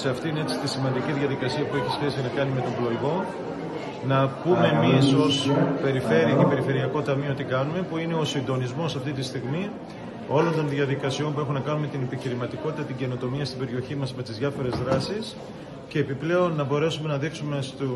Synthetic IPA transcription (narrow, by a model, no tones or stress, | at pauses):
seɐft̪ineet͡si̥t̪isimɐnd̪iciðʝɐðikɐsiɐpueçisçe̞sinɐkɐnime̞t̪o̞mblo̞iɣo̞ | nɐpumemiso̞spe̞ɾife̞ɾiɐce̞pe̞ɾife̞ɾiɐko̞t̪ɐmio̞t̪ikɐnume̞puine̞o̞sind̪o̞nizmo̞sɐft̪it̪ist̪iɣmi | o̞lo̞nt̪o̞nðʝɐðikɐsio̞mpue̞xunɐkɐnume̞t̪ine̞piçiɾimɐt̪iko̞t̪it̪ɐt̪iɟe̞no̞t̪o̞miɐst̪ibe̞ɾio̞çimɐzme̞t̪izʝɐfo̞ɾe̞zðɾɐsis | ce̞ːpiple̞o̞nːɐbo̞ɾe̞sume̞nɐðiksume̞st̪o